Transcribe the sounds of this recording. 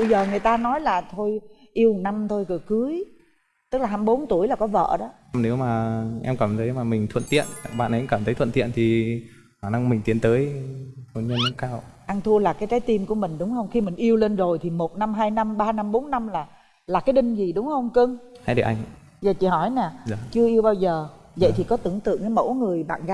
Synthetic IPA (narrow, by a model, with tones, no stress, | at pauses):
ɓə˧jzəː˨˩ŋɨ˨˩əjt̪aː˧nɔ˨˦jlaː˨˩t̪ʰo˧j | ʔi˧əwna˧mt̪ʰo˧jkɨ˧˩əkɨ˨˦j | t̪ɨ˦˥k̚laː˨˩ɦa˧mɓo˨˦nt̪u˧˩əjlaː˨˩kɔ˨˦və̰ː˧˨ɗɔ˨˦˧ne˨˦wmaː˨˩ʔɛ̰˧mkə˨˩mt̪ʰə˨˦jmaː˨˩mï˨˩ŋ̟t̪ʰwə̰˧˨nt̪ḭ˧˨ən˨˩ɓa̰ː˧˨nʔə˨˦kə˨˩mt̪ʰə˨˦jt̪ʰə˧˨nt̪ḭ˧˨ənt̪ʰi˨˩ | xaː˨˧˩na˨˧˦ŋmï˨˩ŋ̟t̪i˨˦ənt̪əː˨˦jho˨˩ɲə˧nmə˧˦kaː˧wʔa˧ŋt̪ʰu˧əlaː˨˩kaː˨˦jt͡ɕaː˨˦jt̪i˧mku˧˩əmï˨˩ŋ̟ɗʊ˨˦ŋ͡mhə˧wŋ͡mxi˧mï˨˩ŋ̟ʔi˧əwle˧nzo˨˩jt̪ʰi˨˩mo˨˩t̚na˧mɦaː˧jna˧mɓaː˧na˧mɓo˨˦nːa˧mlaː˨˩ | laː˨˩kaː˨˦jɗï˧ŋ̟zi˨˩ɗʊ˨˦ŋ͡mhə˧wŋ͡mkɨ˧ŋhaː˧jɗə̰˨˩ʔa˧ŋ | zəː˨˩t͡ɕḭ˧˨hɔ˧˩jnɛ˨˩˨t͡ɕɨ˧əʔi˧əwɓaː˧wzəː˨˩zə̰˧˨jt̪ʰi˨˩kɔ˨˦t̪ɨ˧˩əŋt̪ɨ̰˧˨əŋə˨˦mo̰˧˥ŋɨ˨˩əjɓa̰ː˧˨nɣa˧˦